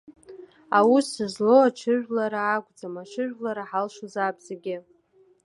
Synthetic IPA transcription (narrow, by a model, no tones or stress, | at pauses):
awusɨzloat͡ʃʰɨʒᶣlaɾaːɡʷʼd͡zamat͡ʃʰɨʒᶣlaɾaħalʃuzabzaɡʲɪ